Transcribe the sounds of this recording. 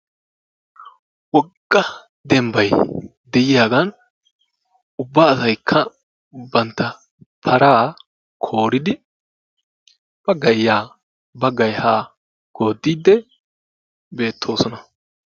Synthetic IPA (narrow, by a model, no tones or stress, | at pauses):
wɔɡːɐ | d̪ɛmbɐj | d̪ɛjɪjaːɡɐn | ʊbːaːsɐjkʰːɐ | bɐnt̪ːɐ | pʰɐɾaː | kʰo̞ːɾɪd̪ɪ | b̥ɐɡɐjjːaː | bɐɡɐjhaː | ɡ̥o̞ːd̪ːiːd̪ːɛ | be̞ːt̪ʰːo̞ːsɔnɐ